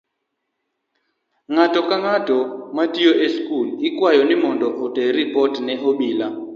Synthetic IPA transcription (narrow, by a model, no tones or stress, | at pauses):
ŋatɔkaŋatɔmatioʔeskulɪkwajɔnɪmɔndɔʔɔtɛɾipɔtnɛɦoɓila